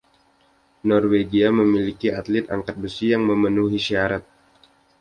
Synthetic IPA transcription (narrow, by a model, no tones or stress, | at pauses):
nɔrweɡiaməmilikiat̪lɪt̪a̰ŋkat̪̚bəsijaŋməmənuɦiʃiaɾat̪̚